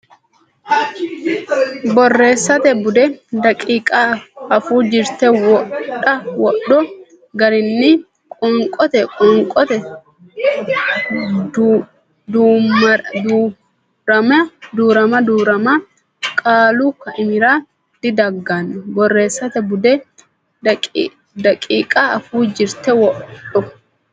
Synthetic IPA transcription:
bɔrːe̞ːsːɐt̪ɛbʊd̪ɛdɐkʼiːkʼaːɐfuːd͡ʒɪɾt̪ɛwɔɗːɐwɔɗːɔ | ɡɐɾɪnːɪ | kʼɔŋkʼɔt̪ɛkʼɔŋkʼɔt̪ɛ | d̪u | d̪ | ɾɐmɐd̪uːɾɐmɐd̪uːɾɐmɐ | kʼaːlukːɐʔɪmɪɾaː | d̪̥ɪd̪ɐɡːanːɔbɔrːe̞ːsːɐt̪ɛbʊd̪ɛ | d̪ɐkʼːiːkʼaɐfuːd͡ʒɪɾt̪ɛwɔʔɗɔ

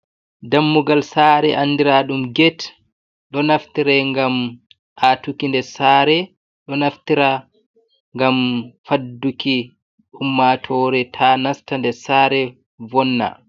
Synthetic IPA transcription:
damːuɡalsaɾɛʔanːdiɾaɗumɡɛt | ɗɔnaftiɾɛŋɡam | ʔatukindɛsaːɾɛ | ɗɔnaftiɾa | ŋɡamfadːuki | umːatʰɔːɾɛtʰanastandɛsaːɾɛ | vɔnːa̰

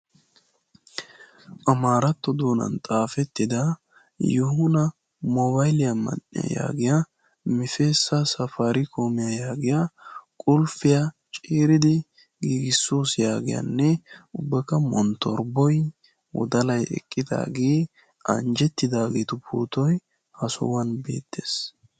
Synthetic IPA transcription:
ʔɐmaːɾɐt̪ːɔd̪o̞ːnɐ̰nt̪ʼaːfɛt̪ːɪd̪ɐ | jɔhʊnɐ | mɔβɐjɪlɪjɐmɐ̰nːɪ̰jɐ̰ja̰ːɡɪja | mɪfeːsːɐsɐfaɾɪkʰo̞ːmɪjɐjaːɡɪjakʼʊlfɪja | t͡ʃʼeːɾɪd̪ɪ | ɡiːɡɪsːoːsjaːɡɪja̰nːɛʊbːɛkːɐmɔnt̪ɔɾbɔj | wɔ̰d̪ɐlɐjɛ̰kʼːɪd̪a̰ːɡeː | ʔɐ̰nd͡ʒɛt̪ːɪd̪aːɡeːt̪ʊpʰṵːt̪ɔj | hɐsʊ̰wɐnbe̞̰ːt̪ːeːs

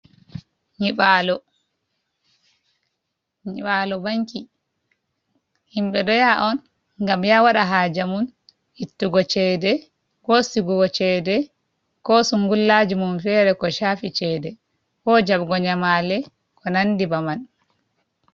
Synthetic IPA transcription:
ɲiɓalɔ | ɲiɓalɔbaŋki | himɓɛɗɔjaʔɔn | ŋɡamjawaɗaɦaːd͡ʒamun | hitːuɡɔt͡ʃɛdɛ | kɔsiɡuɡɔt͡ʃɛdɛ | kɔsuŋɡulːaːd͡ʒimunfɛɾɛkɔʃaːfit͡ʃɛːdɛ | kɔd͡ʒaɓɡɔɲamalɛ | kɔnandibaman

